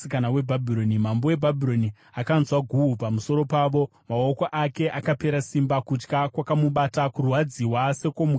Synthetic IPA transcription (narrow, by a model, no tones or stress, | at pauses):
ikanawe̞bʱabʱiɾo̞nimambo̞we̞bʱabʱiɾo̞ni | akanzwaɡʱuːpamuso̞ɾo̞paːʋo̞ | mao̞koʔake̞ʔakape̞ɾasimbakut͡ʃkakwakamuɓatakurwad͡ziwase̞ko̞mu